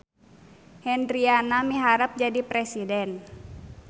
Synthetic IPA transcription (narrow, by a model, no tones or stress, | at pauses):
hɛndɾianamiɦaɾap̚d͡ʒadipɾɛsidɛn